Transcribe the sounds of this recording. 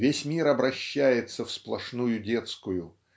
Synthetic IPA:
vʲesʲmʲiɾɐbɾɐɕːæjɪt̪səfsplˠɐʂnujʊdʲe̞t̪skʊjʊ

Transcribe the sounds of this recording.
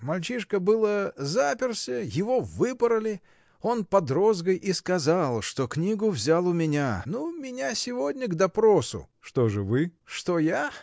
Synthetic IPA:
mɐlʲt͡ɕiʂkəbɨlˠəzapʲɪrsʲəjɪvo̞vɨpəɾəlʲɪ | o̞npɐd̪ɾo̞zɡəjʔiskɐzalˠʂt̪o̞knʲiɡʊvzʲalˠʊmʲɪnʲanumʲɪnʲasʲɪvo̞dʲnʲəɡd̪ɐpɾosʊ̰ʂt̪oʐɨvɨʂt̪o̞ja

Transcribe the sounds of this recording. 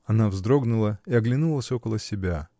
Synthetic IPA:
ɐnavzd̪ɾo̞ɡnʊlˠəiɐɡlʲɪnulˠəsʲo̞kəlˠəsʲɪbʲa

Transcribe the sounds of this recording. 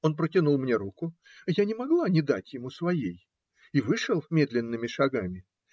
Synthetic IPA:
o̞npɾətʲɪnulˠmnʲeɾukʊ | janʲɪmɐɡlˠanʲɪd̪atʲjɪmusvɐjej | ivɨʂəlˠmʲe̞d̪lʲɪnːɨmʲɪʂɐɡamʲɪ

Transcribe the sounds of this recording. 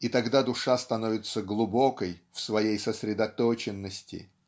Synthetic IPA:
it̪ɐɡd̪ad̪ʊʂast̪ɐnovʲɪt̪səɡlˠʊbokəjfsvɐjejsəsʲɾʲɪd̪ɐt̪ot͡ɕɪnːəsʲtʲɪ̰

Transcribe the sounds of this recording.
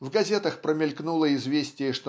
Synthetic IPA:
vɡɐzʲet̪əxpɾəmʲɪlʲknulˠəɪzvʲesʲtʲɪjəʂt̪o

